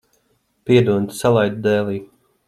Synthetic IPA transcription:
piɛd̪uɔnt̪salˠajd̪̚d̪ɛːlˠiː

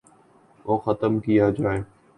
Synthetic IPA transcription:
oːxət̪əmkijad͡ʒaːeː

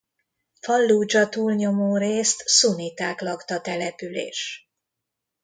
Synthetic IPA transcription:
fɒlːuːd͡ʒɒt̪uːlɲo̞moːɾeːst̪sunit̪aːklɒkt̪ɒt̪ɛlɛpylḛːʃ

